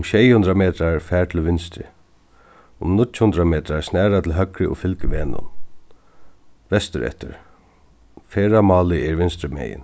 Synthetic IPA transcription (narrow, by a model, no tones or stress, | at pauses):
mʃɛːjhʊnd̪ɾameːt̪ɾaɹfɛːɹt̪ʰɪlʋɪnst̪ɾɪ̰ | ʊmnʊtːhʊnd̪ɾameːt̪ɾaɹsnɛːɾat̪ʰɪlɦœkɾɪʔʊ̰fɪlkʋɛːnʊ̰n | ʋɛst̪ɪɾɛ̰ht̪ɪ̰ɹ | fɛːɹamɑːlɪɛɹvɪnst̪ɾɪmɛ̰ːjɪ̰n